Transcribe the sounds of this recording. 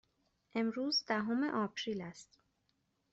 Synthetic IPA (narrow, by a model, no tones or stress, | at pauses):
ʔe̞mɾuːzd̪æɦomḛʔɒːpʰɾiːlæst̪